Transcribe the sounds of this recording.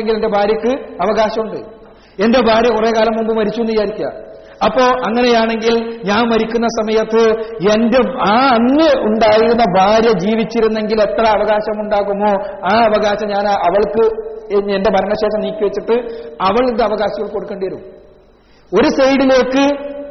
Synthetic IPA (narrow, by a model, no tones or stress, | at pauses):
eŋɡilende̞bʱaːɾjɐkːɨɐʋɐɣaːɕɐmuɳɖɨ | e̞nde̞bʱaːɾjɐkure̞ːkaːlɐmːumbɨmɐɾit͡ɕːunɐjaːɾikʲːia̰ | ɐpːo̞ːʔɐŋːɐne̞jaːɳe̞ŋɡilɲaːnmɐɾikʲːunːɐsɐmɐjɐt̪ːɨendeaːɐŋːeʔuɳɖaːjiɾunːɐbʱaːɾjɐd͡ʑiːʋit͡ɕːiɾunːe̞ŋɡile̞t̪rɐːʋɐɣaːɕɐmuɳɖaːɣumo̞ː | aːɐʋɐɣaːɕɐmɲaːnaɐʋɐɭkɨe̞nde̞bʱɐɾɐɳɐɕeːʂɐmniːkʲːuʋet͡ɕːiʈːɨɐʋɐɭind̪ɨɐʋɐɣaːɕɐɣɐɭko̞ɽukːe̞ːɳɖijɐɾum | o̞ɾusɐjɽile̞ːkːɨ